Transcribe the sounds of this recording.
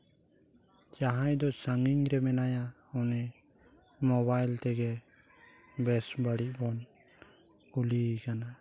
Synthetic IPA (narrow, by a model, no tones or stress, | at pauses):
d͡ʒaɦajd̪ɔsaŋiɲɾɛmɛnaja | ɔnɛ | mɔβajlt̪ɛɡɛ | bɛsbaɽiʔ̚bɔn | kulikana